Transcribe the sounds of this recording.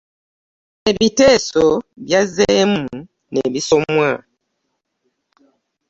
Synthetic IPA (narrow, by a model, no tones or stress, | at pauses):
ebitɛsɔbjazɛmu | nḛbisɔmwa